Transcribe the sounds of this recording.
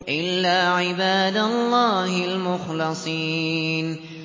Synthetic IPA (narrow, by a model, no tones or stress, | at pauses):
ʔɪlːaːʕɪbaːd̪alˤːɑːhɪlmʊxlɑsˤiːn